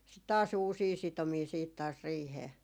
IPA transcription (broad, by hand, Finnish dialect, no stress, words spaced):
sit tɑːs uːsiː sitomiː siːt tɑːs riːheː